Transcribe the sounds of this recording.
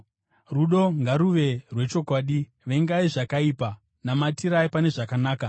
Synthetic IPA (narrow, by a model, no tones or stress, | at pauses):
ruɗo̞ŋɡaɾuʋe̞rwe̞t͡ʃo̞kwaːɗi | ʋe̞ŋɡaiʐakaiːpa | namatiɾaipane̞ʐakanaːka